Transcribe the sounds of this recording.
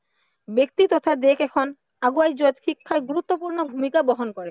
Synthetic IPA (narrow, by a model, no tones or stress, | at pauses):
bek̚t̪it̪ɔt̪ʰad̪ekʰɛkʰon | aɡuajd͡ʑot̪ʃikʰːaeɡuɾut̪ːopuɾnobʱumikabɔɦonkɔɾe